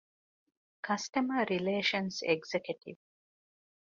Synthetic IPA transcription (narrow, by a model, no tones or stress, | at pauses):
kʰɐsʈɐmɐɾileːʃɐnseɡzekjuʈḭʋ